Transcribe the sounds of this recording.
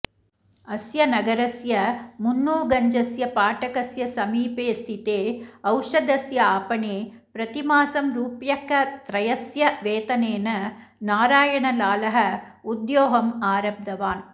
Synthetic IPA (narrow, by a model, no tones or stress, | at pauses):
ɐsjɐnɐɡɐɾɐsjɐmunːoːɡɐɲd͡ʒɐsjɐpaːʈɐkɐsjɐsɐmiːpeːst̪ʰit̪eːɐwʂɐd̪ɐsjɐaːpɐɳeː | pɾɐt̪imaːsɐmɾuːpjɐkɐt̪ɾɐjɐsjɐʋeːt̪ɐneːnɐnaːɾaːjɐɳɐlaːlɐɦɐud̪joːɦɐmaːɾɐb̚d̪ɐʋaːn